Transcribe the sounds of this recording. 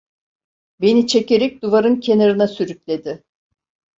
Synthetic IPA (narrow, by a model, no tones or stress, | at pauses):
be̞nit͡ʃʰe̞ce̞ɾɛc̚d̪uvaɾɯncʰe̞naɾɯnasyɾycʲlʲe̞d̪ɪ